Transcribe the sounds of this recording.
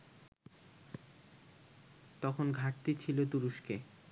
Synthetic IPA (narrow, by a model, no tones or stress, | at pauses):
t̪ɔkʰonɡʱaʈt̪it͡ɕʰilot̪uɾuʃke